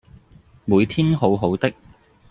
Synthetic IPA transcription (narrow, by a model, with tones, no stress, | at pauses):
muː˨˧jt̪ʰiː˥nɦo˨˧wɦo˨˥wt̪ɪ˥k̚